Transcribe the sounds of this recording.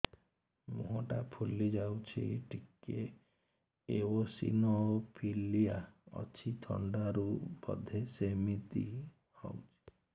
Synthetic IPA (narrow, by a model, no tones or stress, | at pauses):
muɦɔʈapʰulid͡ʒawt͡ʃʰḭʈʰike | ewosḭnopʰilijaɔ̰t͡ʃʰit̪ʰɔ̰ɳɖaɾubɔ̰d̪ʱesemit̪i | hɔ̰wt͡ʃʰi̥